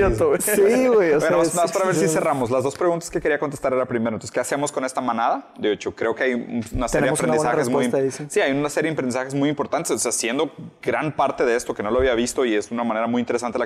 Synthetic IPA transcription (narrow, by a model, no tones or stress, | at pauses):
eoiɣwejoenoaanoβaspaɾaβeɾsise̞ramoslazðo̞spɾeɣunt̪ḁskekeɾiakont̪est̪aɾe̞ɾapɾimeɾanose̥ke̞ase̞mo̞sko̞ne̞st̪amãnaðad̪eot͡ʃokɾeokeajuunaseɾjeepɾenssaezmujssiajunasejeempɾend̪isaxezmujimpo̞ɾt̪ant̪esoseasjend̪o̞ɡɾampaɾt̪e̞ðeest̪o̞ke̞no̞loaβiaβist̪o̞iezunamãne̞ɾamujint̪eɾesant̪ela